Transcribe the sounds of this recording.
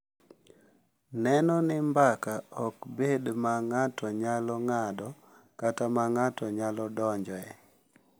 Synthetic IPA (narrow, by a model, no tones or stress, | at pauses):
nɛnɔnɪmbakaɔkbedmaŋatʰɔɲalɔŋadɔ | katamaŋatɔɲalɔdɔɲd͡ʒɔɛ